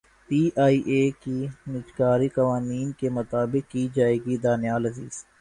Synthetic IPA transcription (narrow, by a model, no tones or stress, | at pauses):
piːʔaːiʔeːkinɪt͡ʃkaːɾikɐʋaːniːnkemʊt̪aːbɪkkiːd͡ʒaːeːɡid̪aːnjaːlɐzḭːz̥